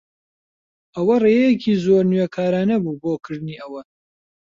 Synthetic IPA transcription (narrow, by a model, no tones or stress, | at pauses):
ʔɐwɐreːjɛjekʰiːzoːɾnɥekʰaːɾaːnɐbuːboːkʰɨɾd̪ɨniːʔɐwɐ